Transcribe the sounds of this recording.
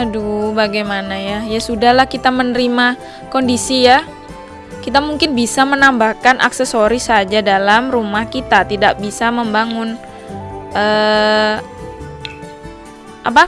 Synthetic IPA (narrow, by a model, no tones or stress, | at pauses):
adubaɡajmanajajasudahlahkit̪amənəɾima | kondisija | kit̪amuŋkɪnbisamənambahkanʔa̰ksesoɾisad͡ʒadalamrumahkit̪at̪idak̚bisaməmbaŋʊn | ʔəː | ʔap̬a